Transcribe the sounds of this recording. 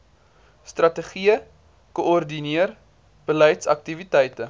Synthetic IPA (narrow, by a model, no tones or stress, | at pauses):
strɐtəχiə | koɔrdiniər | b̥əlɛjtsɐ̰k̚tivitɛjtə